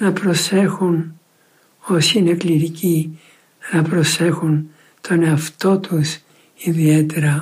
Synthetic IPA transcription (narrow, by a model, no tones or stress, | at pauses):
nɐpɾo̞se̞xun | o̞sine̞kliɾici | nɐpɾo̞se̞xun | t̪ʰo̞ne̞ɐft̪o̞t̪us | iðie̞t̪e̞ɾɐ